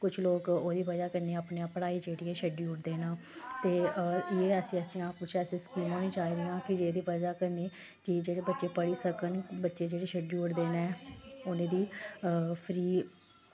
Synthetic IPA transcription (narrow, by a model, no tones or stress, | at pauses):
kʊt͡ʃʰloːkoːd̪iːpəd͡ʒaːkəɾneːapneãːpəɽaːiːt͡ʃeːɽiːɛːʃɛɖjuːʊʈd̪eːnãːt̪eːeːəsĩːəsijãːpʊt͡ʃʰɛːsẽːskiːmõːnẽːt͡ʃaːiːɾɪːãːkɪd͡ʒeːd̪iːʋəd͡ʒaːkəɾneː | kɪd͡ʒeːɽeːbətːʃeːpəɽiːsəkənbətːʃeːd͡ʒeːɽeːʃʰəɖjuːʈd̪eːnɛːʊnẽːd̪iː | pʰɾiː